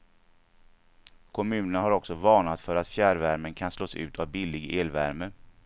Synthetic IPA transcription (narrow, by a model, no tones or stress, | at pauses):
kʰɔmʉ̟ːnəɳaɦaɾɔksɔvɑːɳat̪fœɾat̪fjæːɾvæɾmənkʰansloːsʉ̟ːt̪ʰavbɪlɪɡeːlvæ̰ɾmə